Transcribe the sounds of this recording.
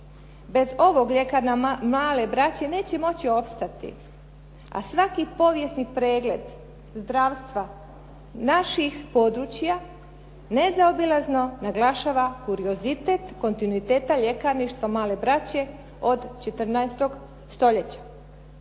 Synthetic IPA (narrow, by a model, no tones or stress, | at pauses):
be̞zo̞ʋo̞ɡʎekaɾnamlaːle̞bɾat͡ɕe̞ne̞ːt͡ɕe̞mo̞t͡ɕio̞pst̪at̪ḭ | a̰sʋakipo̞ʋje̞snipɾe̞ːɡle̞d̪ | zd̪ɾaːʋst̪ʋa | naʃixpo̞d̪ɾut͡ɕja | nezaobilazno̞naɡlaʃaːʋakuɾio̞zit̪et̪ko̞nt̪inuit̪e̞ːt̪aʎe̞kaɾniʃt̪ʋamlaːle̞bɾat͡ɕe̞ | o̞d̪t͡ʃet̪ɾnaest̪o̞ɡ | st̪o̞ʎe̞t͡ɕḁ